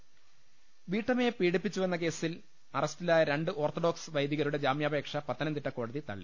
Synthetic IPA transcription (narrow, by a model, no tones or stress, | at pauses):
ʋiːʈːɐmepiːɽipːit͡ɕːuʋenːɐk̬e̞ːsil | ɐrɐstilaːjɐɾe̞ɳɖɨʔo̞ːrt̪oɖo̞ːksɨʋɐjd̪iɣɐɾuɽe̞d͡ʑaːmjaːbe̞ːkʂɐpɐt̪ːɐnɐnd̪iʈːɐko̞ːɽɐðit̪ɐ̰ɭːḭ